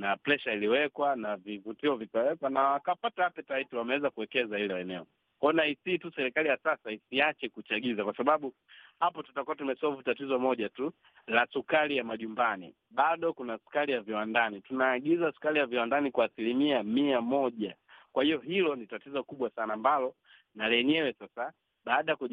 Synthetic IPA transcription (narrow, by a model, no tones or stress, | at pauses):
naplɛʃailiwɛkwanavivutiɔvikawɛkwanawakapataapɛtaitiwamɛwɛzakuwɛkɛzahilɛɛnɛɔ | ɔnaisiːtusɛɾikalijasasaisiat͡ʃɛkut͡ʃaɡizakwasaɓaɓu | hapɔtutakuatumɛsɔvutatizɔmɔʄatu | lasukalijamaʄumbanḭ | ɓaɗɔkunasu̥kalijaviwandanitunaːɡizasu̥kalijaviwandanikwaːsilimiamiamɔʄakwahijɔɦilɔnitatizɔkuɓwasanaːmbalɔ | nalɛɲɛwɛsasa | ɓaːɗajaku